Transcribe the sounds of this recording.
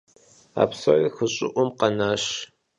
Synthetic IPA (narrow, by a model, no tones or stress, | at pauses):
a̰ːpsɐʕiːxəɕʼɪ̰ʔʷʊmqɐnaːɕ